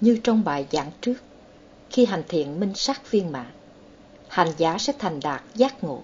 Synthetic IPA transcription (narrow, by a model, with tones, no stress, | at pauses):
ɲɨ˧t͡ɕɔ˧wŋ͡mɓaː˨˩jza̰ː˨˦ŋt͡ɕɨ˦˥ək̚ | xi˧ɦa˨˩jŋ̟t̪ʰḭ˧˨ənmï˧ŋ̟sa˦˥k̚vi˧ənma̰ː˧˨n | ha˨˩jŋzaː˨˦sɛ̰˧˥t̪ʰa˨˩jŋ̟ɗaː˨˩k̚zaː˦˥k̚ŋo̰˧˨